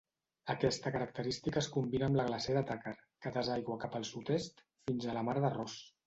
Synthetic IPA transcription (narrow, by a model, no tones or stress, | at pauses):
əkɛst̪əkəɾək̚t̪əɾist̪ikəːskumbinəːmləɣlaseðət̪akaɾkət̪əzajɣwəkapəlˠsut̪est̪ | finzələmaɾðərɔs